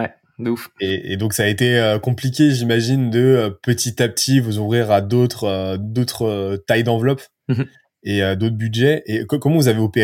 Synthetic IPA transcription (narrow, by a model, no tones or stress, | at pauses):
wɛ | d̪ufeḛd̪ɔ̃ksaːet̪eøkɔ̃plikʲeʒimaʒind̪əpət̪it̪ap̚t̪ʰivuzuvʁiʁad̪ot̪χød̪ot̪χøt̪ajd̪ɑ̃vlɔp | eød̪ot̪χbyd̪ʒɛʔekkɔmɑ̃vuzaveɔpe